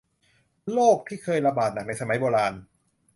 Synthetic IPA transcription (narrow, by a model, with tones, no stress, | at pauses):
loː˥˩k̚t̪ʰiː˥˩kʰɤː˧jɾa˧baː˨˩t̪̚na˨˩k̚na˧jsa˧ma˦jboː˧ɾaː˧n